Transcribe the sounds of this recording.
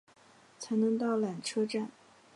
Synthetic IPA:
t͡sʰa˧˥ɪnɤ˧˥ŋt̪ɑ˥˩ʊlja˨˩ŋʈ͡ʂʰɤ˥ʈ͡ʂa˥˩n

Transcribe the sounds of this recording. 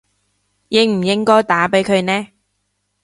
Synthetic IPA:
jɪ˨˧ŋm̩˨˩jɪ˥ŋkɔː˥jt̪aː˨˥pe˨˥jkʰɵ˨˧ɥnɛː˥

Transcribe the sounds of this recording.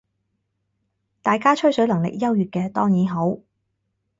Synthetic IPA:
t̪aː˨jkaː˥t͡ʃʰɵ˥ɥsɵ˨˥lɐ˨˩ŋlɪ̰˨k̚jɐ˥wjyː˨˩t̚kɛː˧t̪ɔː˥ŋjiː˨˥nɦo˨˥w

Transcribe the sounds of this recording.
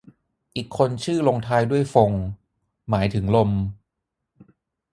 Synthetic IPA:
ʔiː˨˩kʰːo˧nt͡ɕʰɯː˥˩lo˧ŋt̪ʰaː˧jdu˥˩əjfo˧ŋ | maː˩˦jt̪ʰɯ˩˦ŋlo˧m

